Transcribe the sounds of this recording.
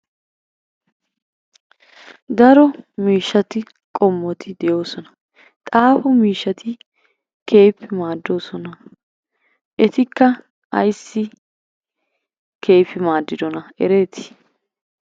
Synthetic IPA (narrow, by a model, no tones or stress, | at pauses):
d̪ɐɾɔmiːʃːɐt̪ɪ | kʼɔmːɔt̪ʰɪd̪ɛjo̞ːsɔnɐ̥ | t̪ʼaːfʊmiːʃːɐt̪ɪ | ke̞ːpːɪmaːd̪ːo̞ːsɔnɐ | ʔɛt̪ɪkːɐ | ɐ̰jsːɪ | kʰe̞ːfɪmaːd̪ːɪd̪ɔnɐɛ̰ɾe̞ːt̪ɪ̥